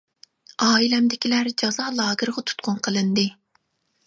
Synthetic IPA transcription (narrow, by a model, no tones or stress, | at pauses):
ɑːilɛmd̪ɪkʲʰilæɾd͡ʒɑzɑːlˠɑːɡɨɾʁɑt̪ʰu̥t̪̚qʰʊnqʰəlˠɨnd̪ɨ